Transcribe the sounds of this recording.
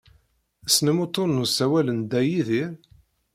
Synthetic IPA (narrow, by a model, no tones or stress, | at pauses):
snəmot̪ˤːoɾnusæwælənd̪æjiðiɾ